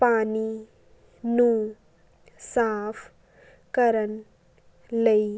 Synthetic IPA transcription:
paːni | nu | saːpʰ | kəɾən | lei

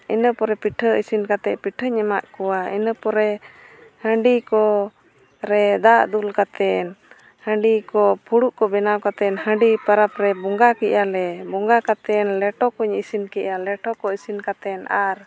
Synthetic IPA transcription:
inəpɔɾɛpiʈʰəisinkat̪ɛʔpiʈʰəɲɛmaʔkɔwaḭnəpɔɾɛ | həɳɖikɔ | ɾɛd̪aʔd̪ulkat̪ɛn | hə̃ɳɖikɔpʰuɽuʔkɔbɛnawkat̪ɛnhə̃ɳɖipaɾapɾɛbɔŋɡakɛʔalɛbɔŋɡakat̪ɛnlɛʈɔkuɲisinkɛʔalɛʈɔkɔisinkat̪ɛnaɾ

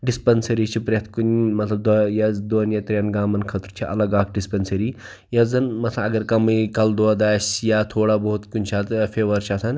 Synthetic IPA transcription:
ɖispɐnsɐɾiːt͡ʃʰipɾʲet̪ʰkunmɐt̪lɐb̚d̪jɐzd̪oːnjɐt̪ɾʲɐnɡaːmɐnkʰɐt̪ɾt͡ʃʰiʔɐ̰lɐɡaːkɖispɐnsɐɾi | jɐzɐnmɐt̪ʰlɐɐɡɐɾkɐmikɐld̪oɐd̪aːsjaːt̪ʰoːɽabout̪kunʲt͡ʃʰaːt̪pʰeːʋɐɾt͡ʃʰasʰɐn

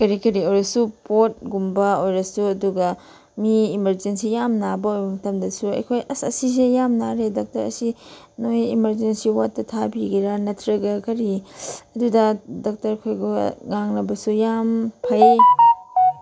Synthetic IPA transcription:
kɐɾikɐɾiojɾɐsupot̚ɡumbɐojɾɐsuɐduɡɐ | miːmɐɾd͡ʒensijamnabɐojbɐmɐtɐmdɐsuɐ̰jkʰojʔɐsɐsis̬ejamnaɾedok̚tɐɾɐ̰si | nojimɐɾd͡ʒensiwatːɐtʰabiɡiɾanɐtʰɾɐɡɐkɐɾiɐdudɐdok̚tɐɾkʰojɡoŋaŋnɐbɐsujampʰɐj

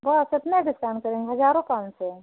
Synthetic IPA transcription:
bɐsɪt̪neɖɪskaːnkəɾẽŋɡɦɐzaːɾõkaːlse

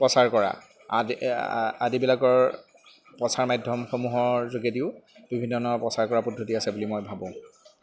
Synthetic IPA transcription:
pɹɔsaɹkɔɹa̰ | adibilakɔɹ | pɹɔsaɹmajdʱːɔmxomuɦɔɹzoɡetiʊb̥ibʱinːɔnɔpɹɔsaɹkɔɹapɔdʱotiasɛbulimɔjbʱabɔ̃

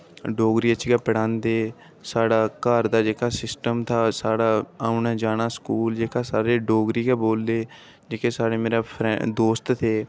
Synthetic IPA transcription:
ɖoːɡɾiːət͡ʃiɡaːpəɽãːnd̪eː | saːɽaːkaɾd̪aːd͡ʒeːkaːsɪsʈəmt̪ʰaːsaːɽaːaːunaːd͡ʒaːnaːskuːld͡ʒeːkaːsaːɾeːɖoːɡɾiːkɛːboːld̪eː | d͡ʒeːkeːsaːɽeːmeːɾaːpʰɾɛd̪oːst̪t̪ʰeː

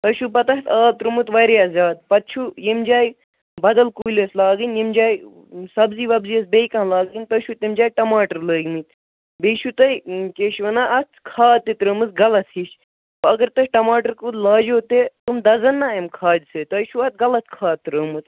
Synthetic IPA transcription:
t̪ɐʃupɐt̪ɐɦt̪ʰaːlt̪ɾɨmɨt̪ʋɐjɾiɐzʲaːd̪̚pɐt̪̚t͡ʃʰujimd͡ʒaːj | bɐd̪ɐlkuːlʲɐslaːɡɨnjimd͡ʒaːj | sɐbziʋɐbziɐsbejkãːlaːɡinʲt̪ɐʃut̪imd͡ʒaːjʈɐmaːʈəɾləːɡmɨt̪ʲ | beːʃut̪ɐjkeːʃʋɐnaːɐt̪kʰaːt̪ːit̪ɾəːmɨsɡɐlɐt̪iʃ | pɐɐɡɐɾt̪ɐt͡ʃʈɐmaːʈɐɾkulaːd͡ʒoːt̪et̪umd̪ɐzɐnːaːemkʰaːd̪sɨt̪ɐʃuɐt̪̚ɡɐlɐt̪̚kʰaːt̪ːɾəːmɨt̪

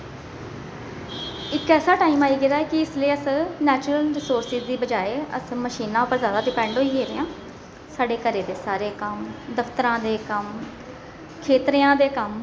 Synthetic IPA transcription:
ɪkɛːsaːʈaːiːmaːiːɡɪɾaːɛːkɪɪsliːəsnɛːt͡ʃɾəlɾɪsoːɾsɪzd̪iːbəd͡ʒaːeːə̰sməʃiːnãːpəɾzjaːd̪aːɖɪpɛ̃ːɳɖɦoːiːɦeːɾeːãː | saːɖeːkəɾeːd̪eːsaːɾeːkəmd̪əpʰt̪əɾãːd̪eːkəm | kʰeːt̪ɾɪːãːd̪eːkəm

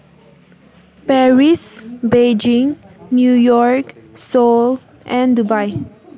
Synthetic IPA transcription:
pɛɹisbed͡ʒĩŋnjujɔɹksol | ʔɛ̃ndubaj

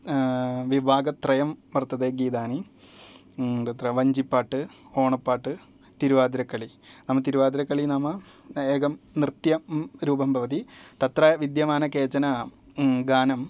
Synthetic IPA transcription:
ʋibʱaːɡɐt̪rɐjɐmʋɐrt̪ːɐðeɡiːd̪aːni | t̪ɐt̪rɐʋɐɲd͡ʑipːaːʈːɨoːɳɐpːaːʈːɨ | t̪iɾuʋaːd̪iɾɐkːɐɭi | nɐmːɐt̪iɾuʋaːd̪iɾɐkːɐɭinɐmːɐ | eːkɐmnrɨt̪jɐɾuːbɐmbʱɐʋɐd̪it̪ɐt̪rɐʋid̪jɐmaːnɐkeːt͡ɕːɐnɐ | ɡaːnɐm

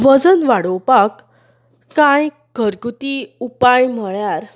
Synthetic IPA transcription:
ʋəd͡zənʋaɽowpakː | ãj | ɡʱəɾɡut̪iupajm̤əɭjaɾ

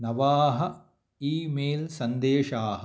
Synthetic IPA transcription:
nɐʋaːɦɐ | iːmeːlsɐnd̪eːʂaːɦɐ

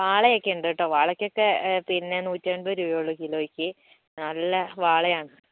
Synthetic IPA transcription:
ʋaːɭɐjokːeuɳɖeʈːoːʋaːɭɐkʲːokːe̞pinːe̞nuːtʲːaːɳbɐɾujoːɭːukiloːikʲːɨ | nɐlːɐʋaːɭɐjaːɳɨ

